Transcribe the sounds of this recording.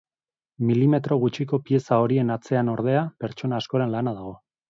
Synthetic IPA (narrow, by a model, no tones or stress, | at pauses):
milime̞t̪ɾo̞ɣut͡ʃiko̞pie̞sao̞ɾie̞nat͡se̞ano̞ɾð̞e̞ape̞ɾt͡ʃo̞naːsko̞ɾe̞nlanað̞aɣ̞o̞